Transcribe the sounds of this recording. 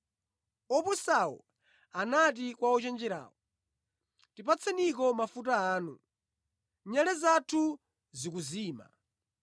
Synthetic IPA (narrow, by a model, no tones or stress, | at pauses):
ɔpusaɔ̰ | anat̬ikwaɔt͡ʃɛnd͡ʒɛɾa̰ːwɔ | tipat͡sʰɛnikɔmafutaaːnṵ | ɲalɛzatʰu | zikuziːma̰